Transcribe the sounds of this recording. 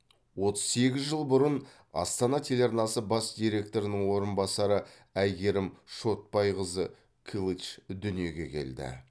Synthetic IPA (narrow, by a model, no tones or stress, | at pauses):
wo̞t̪ə̥z̥se̞ɡʲɪzʒəlˠbʊɾən | ɑ̰st̪ɑnɑt̪ʲʰe̞lʲɑɾnɑsəbɑsd̪ijɾʲe̞k̚t̪o̞ɾɪnəɴwo̞ɾənbɑsɑɾə | æjɡʲe̞ɾɪmʃo̞t̪̚pɑjʁəzə | kʲʰilˠit͡ʃd̪ʏnije̞ɡʲe̞̰kʲʰe̞̰ld̪ɪ̰